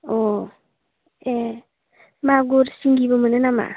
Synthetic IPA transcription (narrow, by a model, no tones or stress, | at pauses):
o | e | maɡoɾsiŋɡibomənenama̰